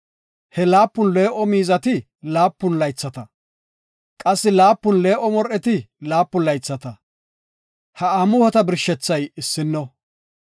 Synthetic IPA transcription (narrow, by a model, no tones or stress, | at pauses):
hɛlaːpːʊnle̞ːʔɔmiːzɐt̪ɪ | laːpːʊnlɐjt͡sːɐt̪ɐ | kʼɐsːɪlaːpːʊnle̞ːʔɔmɔɾʔɛt̪ɪlaːpːʊlɐjt͡sːɐt̪ɐ | hɐaːmʊhɔt̪ɐbɪɾʃːɛt͡sːɐjɪsːɪnːɔ